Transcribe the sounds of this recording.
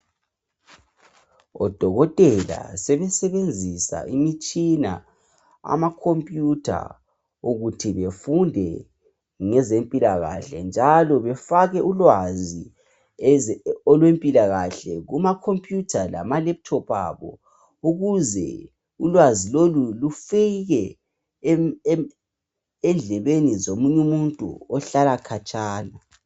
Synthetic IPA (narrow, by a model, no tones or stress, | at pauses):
ɔ̰d̥ʱɔɣɔtʼɛla̰sɛβɛsɛβend͡zʱisa̰ʔimit͡ʃʼina̰ | a̰makʰompʼjutʰa̰ | uɣutʰiβefundʱɛ | ŋɛzempʼilaɣa̰ɬɛ̰nd͡ʒʱalɔβɛfaɣɛʔulwazi | ɔlwempʼilaɣaɬɛɣumakʰompʼjutʰala̰malɛp̚tʰɔpʰa̰βɔ̰ | uɣuzɛ̰ | ulwazilolulufiɣɛ | ɛnd͡ɮʱɛβenizomuɲumuntʼṵɔɬalakʰat͡ʃʼaːna